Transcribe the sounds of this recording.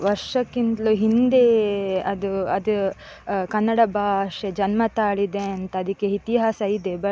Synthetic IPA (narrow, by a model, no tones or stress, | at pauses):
ʋɐɾʂɐkːint̪luɦind̪eɐd̪uɐd̪u | kɐnːɐɽɐbʱaːʂed͡ʒɐnmɐt̪aːɭid̪eɐnt̪ɐːd̪ikːeit̪iɦaːsɐid̪ebɐ